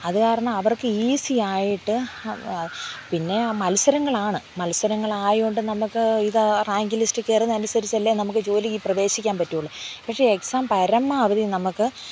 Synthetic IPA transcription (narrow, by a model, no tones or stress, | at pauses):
ɐðɨkaːɾɐɳaɐʋɐrkɨiːsiaːjiʈːɨ | pinːe̞mɐlsɐɾɐŋːɐɭaːɳɨmɐlsɐɾɐŋːɐɭaːjoɳɖɨnɐmukːɨiðraːŋɡilistɨkːeːrɐnːɐnusɐɾit͡ɕːɐlːenɐmukːɨd͡ʑo̞ːlikːiprɐʋe̞ːɕikʲːaːnpɐtːijuɭːɐpɐkʂeeksaːmpɐɾɐmːɐɐʋɐðinɐmukːɨ